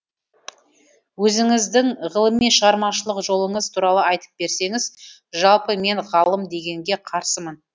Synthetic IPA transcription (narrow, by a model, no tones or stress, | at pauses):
wɵzɪŋɪzd̪ɪŋʁəlˠəmːenʃəʁɑɾmɑʃəlˠəqʒo̞lˠəɴəzt̪ʰuɾɑlˠəɑjt̪ə̥p̚be̞ɾse̞ŋɪz | ʒɑlˠpəme̞ɴʁɑlˠəmd̪e̞ɡʲe̞ŋɡʲe̞qʰɑɾsəmən